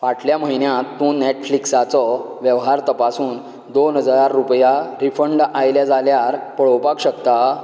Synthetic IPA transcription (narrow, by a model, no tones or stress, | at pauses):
ʋaʈʰljaməɦinjãt̪ːũːneʈfliksat͡sɔ | ʋjəʋɦaɾt̪əpasũːn | d̪onɦəd͡zaaɾːupjaɾifəɳɖajljad͡zaljaɾpəɭ̤ɔwpakɕəkt̪a